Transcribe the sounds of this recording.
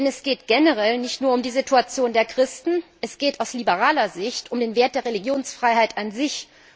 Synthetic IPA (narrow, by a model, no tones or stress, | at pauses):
ɛnɛsɡ̥eːtɡ̥ɛnəʁɛlnɪçtnuːɐʊmdiːzituat͡sjoːndeːɐkʁ̥ɪstn̩ʔɛsɡ̥eːtaʊslibəʁ̞aːlɐzɪçtʊmdeːnveːɐt̚d̥eːɐʁeliɡjoːnsfʁ̥aɪɦaɪtʔanzɪç